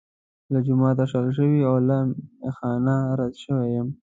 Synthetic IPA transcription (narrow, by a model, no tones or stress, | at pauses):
lad͡ʒʊmɑːt̪aʂalʃ̬əwiawlamxɑnaɾad̪ʃəwejəm